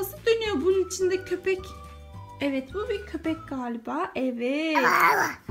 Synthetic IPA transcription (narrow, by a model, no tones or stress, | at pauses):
asɯd̪ø̞nyjo̞bununit͡ʃʰind̪ɛcʰø̞pʰɛc | ɛvɛt̪bubiɾcʰø̞pɛcɡaːlʲibaːʔɛvɛ